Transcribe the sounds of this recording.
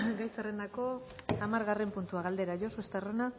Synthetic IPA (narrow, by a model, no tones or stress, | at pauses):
ɡajsarend̪ako̞ | amaɾɣare̞mpunt̪uaɣald̪e̞ɾaʝo̞soest̪arona